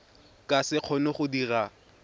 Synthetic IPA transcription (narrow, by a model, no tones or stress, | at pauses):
kʼasɪq͡χʰɔnɪχʊdira